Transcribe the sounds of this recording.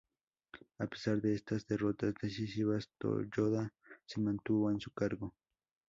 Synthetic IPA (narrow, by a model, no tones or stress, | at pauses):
ape̥saɾd̪eest̪asd̪erot̪asd̪eʃɪʃɪβast̪o̰ʎoðasɪmant̪uwansʊkaɾɡo